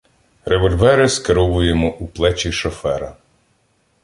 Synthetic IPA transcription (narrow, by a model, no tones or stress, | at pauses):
reʋɔlʲʋɛɾɪskeɾɔʋʊjemɔʔuplˠɛt͡ʃʲiʃɔfɛɾɐ